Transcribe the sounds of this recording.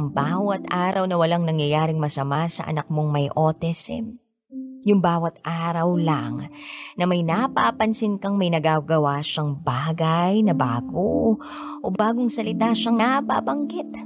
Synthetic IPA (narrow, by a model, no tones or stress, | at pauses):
ɐŋbaːwɐt̪ʔaːɾɐwnɐwɐlaŋnɐŋjɐjaːɾɪŋmɐsɐmasɐ̰ʔɐ̰nɐk̚mo̞ŋmɐjʔoːt̪ɛsɛ̰ | jʊŋbaːwɐt̪ʔaːɾɐwlaŋnɐmɐjnapapɐnsɪnkɐŋmɐjnɐɡaɡɐwaʃɐŋbaːɡɐjnɐbaːɡo | ʔobaːɡoŋsɐlɪt̪aʃɐŋnapa̰bɐŋɡɪt̪̚